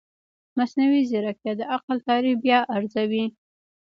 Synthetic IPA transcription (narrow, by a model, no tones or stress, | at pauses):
masnawiziɾakjɑd̪əʔaqlt̪ɑɾixbjɑʔaɾzawi